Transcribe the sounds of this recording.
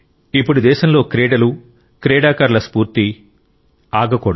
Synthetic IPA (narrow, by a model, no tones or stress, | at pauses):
ipːuɽud̪ɛːʃɐmlo̞ːkɾɛːɽɐlu | kɾɛːɽaːkaːɾlɐspuːɾt̪i | aːɡɐkɔːɽ